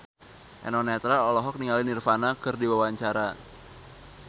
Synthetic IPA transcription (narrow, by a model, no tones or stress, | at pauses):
ʔɛ̰nɔnɛt̪ɾaɔlɔɦɔk̚niŋalinirfanakɨrdiwawaɲt͡ʃaɾa